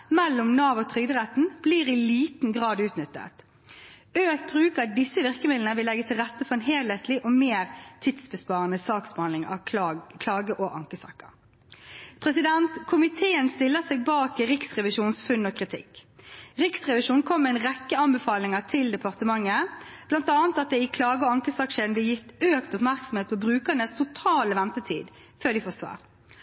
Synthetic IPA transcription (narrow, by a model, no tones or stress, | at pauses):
mɛlːʊmnɑːʋɔt̪ʰʁʏɡd̪əʁɛt̪n̩b̥liːɾɪliːt̪n̩ɡʁɑːd̪ʉːt̪nʏt̪ːə̰t̪ | øːk̚bʁʉːkəɑt̪̚d̪ɪsːəʋɪʁkəmɪd̪lnəʋɪlɛɡːət̪ʰɪlʁɛt̪ːəfɔɾɛnɦeːlheːt̪lɪʔomeːɾt̪ʰɪd̪sbəspɑːʁɑnəsɑːksbɛhɑnlɪŋɑ̰kʰlɑːɡəʔoːʔɑŋkəsɑ̰kːə̰ʁ | pʰʁɛsɪd̪ɛnt̪kʰʊmɪt̪ʰeːənst̪ɪlːəsɛɡ̚bɑːkɪɾɪksʁɛʋɪʃuːnsfʉnːɔkʰʁɪt̪ʰɪ̰kːʁɪksʁɛʋɪʃuːnkʰɔmːəɛɪnʁɛkːəɑnbəfɑːlɪŋət̪ʰɪld̪ɛpʰɑʁt̪əmɑŋːəb̥lɑnt̪ɑːnt̪ɑt̪̚d̪ɛɪkʰlɑːɡəɔɑŋkəsɑːkʃeːln̩b̪lɪjɪt̪øːkt̪ʊpmæɾksɔm̩eːt̪̚pʰɔbɾʉːkənəst̪ʰʊt̪ʰɑːləʋɛnt̪ət̪ʰḭːd̪føːʁd̪ɪfoːsʋɑ̰ːɾ